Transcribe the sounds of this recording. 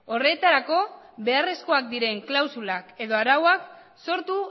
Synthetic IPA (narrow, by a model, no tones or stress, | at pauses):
o̞re̞t̪aɾako̞ | βe̞are̞sko̞ak̚d̪iɾe̞ŋklawsulake̞ðo̞aɾawak | so̞ɾt̪u